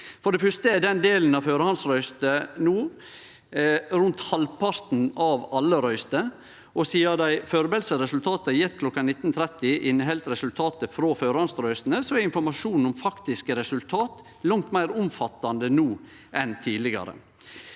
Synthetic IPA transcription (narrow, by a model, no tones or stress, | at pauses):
fɔɖɛfœst̪əɛd̪ɛnd̪eːln̩ɑʋføːɾəhɑnsɾœʏst̪ənuː | ɾʉnt̪hɑlpʰɑɾt̪n̩ɑʋɑlːəɾœʏst̪ə | ʔɔsiːɑd̪æɪføːɾbeːlsəɾɛsʉlt̪ʰɑːt̪əjɛt̪ːkʰlɔkːɑnɪt̪ːnt̪ʰɾɛt̪ːɪʔɪnɦɛlt̪ɾɛsʉlt̪ʰɑːt̪əfɾoːføːɾhɑnsɾœʏst̪n̩əsɔɛɾɪnfɔɾmɑʂuːnʊmfɑkt̪ɪskəɾɛsʉlt̪ʰɑːt̪ | lɔŋt̪mæɪɾʊmfɑt̪ːɑnd̪ənuː | ʔɛnt̪ʰiːd̪lɪɡɑ̰ɾə̰